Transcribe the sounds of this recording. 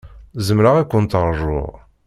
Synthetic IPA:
zəmɾaʁikʷːʊnt̪əɾˤʒʊ̰ʁ

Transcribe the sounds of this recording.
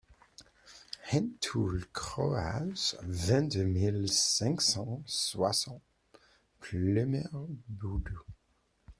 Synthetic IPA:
hɛ̃nt̪ʰulkχɔasvɛ̃d̪ømilsɛ̃ksɑ̃swasɑ̃t̪ | plemɛʁbud̪o

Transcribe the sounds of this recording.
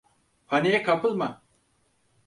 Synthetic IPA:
pʰanijɛkʰapʰɯlˠma

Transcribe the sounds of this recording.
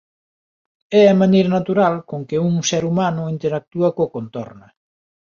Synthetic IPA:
ɛɐmanejɾɐnat̪uɾalkoŋkɪuŋsɛɾumanʊint̪eɾak̚t̪uɐkokont̪ɔ̰ɾnɐ

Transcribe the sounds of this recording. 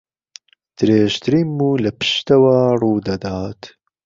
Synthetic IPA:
d̪̥ɨɾeːʃt̪ʰɨɾiːmmuːlɐpɨ̥ʃt̪ɐwaːruːd̪ɐd̪aːt̪

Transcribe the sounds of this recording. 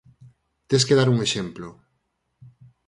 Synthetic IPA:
t̪eskeðaɾuŋeʃemplo

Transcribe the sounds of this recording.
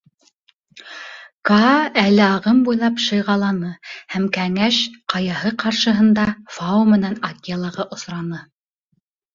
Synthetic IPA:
kɑælɘɑʁɤmbujlˠɑpʃɤ̆jʁɑlˠɑnɤhæmkæŋæʃqɑjɑhɤqɑɾʃɤ̆ɦɤ̆nd̪ɑfɑumɘ̆nænɑkʲlˠɑʁɑʔŏsɾɑnɤ

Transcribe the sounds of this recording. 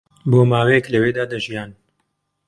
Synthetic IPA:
boːmaːwejɛklɐweːd̪aːd̪ɐʒijaːn

